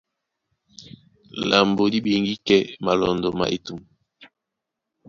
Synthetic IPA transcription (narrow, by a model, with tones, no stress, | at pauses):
la˨mbo˨di˦be˨ŋɡi˦kɛ˦ma˨lɔ˨ndɔ˨ma̰˨ʔe˨tu˨m˨